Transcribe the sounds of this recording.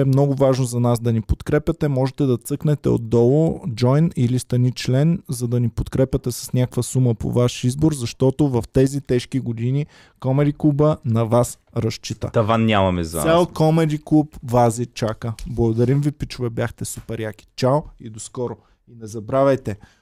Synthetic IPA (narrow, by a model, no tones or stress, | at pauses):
ɛmnɔɡʊvaʒnozɐnasd̪ɐnipot̪kɾɛpʲjɐt̪ɛmɔʒɛt̪ɛd̪ɐt̪sɤknɛt̪ɛ̰o̰d̪ːɔlˠod͡ʒɔjnilist̪ɐnit͡ʃlɛnzɐd̪ɐnipot̪kɾɛpʲjɐt̪ɛsɐ̥snʲakkvəsuməpo̰vaʃizboɾzɐʃt̪ɔt̪ovɐft̪ɛzit̪ɛʃkiɡod̪ini | kɔmɛd̪iklˠubənɐvas | ɾɐʃt͡ʃit̪ə̰t̪ɐvannʲamɐmɛzɐ̰alˠkɔmɛd̪iklˠupvazit͡ʃakəblˠɐɡʊd̪ɐɾimvipit͡ʃʊvɛbʲjaxt̪ɛsupɛɾjaki̥t͡ʃawid̪oskɔɾo | inɛzɐbɾavɛjt̪ɛ